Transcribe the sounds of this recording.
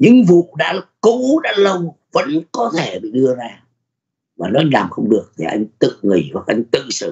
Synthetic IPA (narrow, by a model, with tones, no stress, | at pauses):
ɲɨ̰˧˥ŋvṵ˧˨ɗa̰ː˧˥ko˧˥ɗa̰ː˧˥lə˧w | və̰˧˥nkɔ˨˦t̪ʰe˧˩ɓḭ˧˨ɗɨ˧əzaː˧ | vaː˨˩nɔ˨˦ʔa˧jŋ̟laː˨˩mxə˧wŋ͡mɗɨ˨˩ək̚t̪ʰi˨˩ʔa˧jŋ̟t̪ɨ̰˧˨ŋi˨˩va˨˩ʔa˧jŋ̟t̪ɨ̰˧˨sɨ̰˧˩